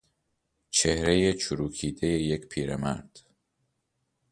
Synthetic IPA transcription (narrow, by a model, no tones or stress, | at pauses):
t͡ʃʰehɾe̞jet͡ʃʰuɾuːkʰiːd̪e̞je̞je̞cpʰiːɾemæ̰ɾd̪̥